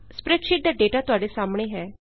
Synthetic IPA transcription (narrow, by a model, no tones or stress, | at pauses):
spɾɛːkʃɪʈ̚d̪aːɖeːʈaːt̪ʊaːɖesaːmɽ̃eːɦɛː